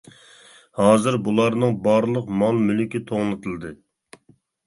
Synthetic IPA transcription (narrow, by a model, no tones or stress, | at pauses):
hɑːzɨɾbulˠɑɾnɨŋbɑɾlˠəqmɑlˠmylykʲit̪ʰoʁnˠɨt̪ʰɨlˠd̪ɨ